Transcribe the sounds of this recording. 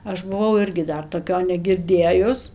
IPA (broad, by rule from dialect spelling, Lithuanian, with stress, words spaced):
ˈɐʃ bʊˈʋɐʊ ˈɪrʲɡʲɪ ˈdɐr toːˈkʲoː nʲɛɡʲɪrʲˈdʲeːjʊs